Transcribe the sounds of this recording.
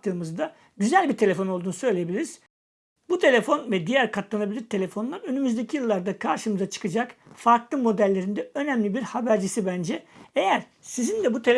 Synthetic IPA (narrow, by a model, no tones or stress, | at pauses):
t̪ʰːɯːmɯzd̪a | ɟyzælʲbiɾt̪ʰe̞lʲe̞fo̞nolˠd̪uːnusø̞jlʲejebilʲiɾiz̥ | but̪ʰe̞lʲe̞fo̞nvɛd̪ijæɾkʰat̪lˠanabilʲiɾt̪ʰe̞lʲe̞fo̞nlˠaɾø̞nymyzd̪e̞cʰijɯlˠːaɾd̪akʰaɾʃɯmɯzat͡ʃʰɯ̥kɯd͡ʒak | faɾklˠɯmːo̞d̪ælʲːe̞ɾind̪ɛø̞næmlʲibiɾhabæɾd͡ʒisibænd͡ʒɛejæɾ̥ | sizind̪ɛbut̪ʰe̞lʲ